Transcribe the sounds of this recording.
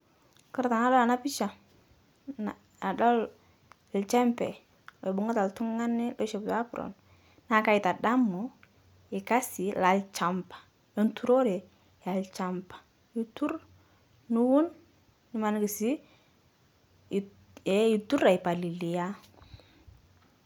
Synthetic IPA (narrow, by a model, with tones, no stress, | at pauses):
kə˦ɾta˨na˦dɔ˦la˨na˦pi˦t͡ʃa˨ | na˨ | a˨dɔ˦l | lt͡ʃɛ˦mpɛ̰˨ | ɔ˨bʊ˨˦ŋa˦ta˨ltu˦ŋː˦a˦nːɪ˦lo˦ʃe˨bta˦pɾɔ̰˨n | na˨ka˦ji˨ta˨da˦mːu˨ | ɪ˨ka˦si˨la˨lt͡ʃa˨mpḁ˨ | lo˦ntu˦ɾo˦ɾe˨ | ja˨lt͡ʃa˨mpḁ˨ | i˨tu˦ɾ | nu˦wu˦nː | i˨ma˨n˦ki˨si˦˨ | ɛ˨˦i˨tu˦ɾa˨i˨pa˨li˨li˨ja˦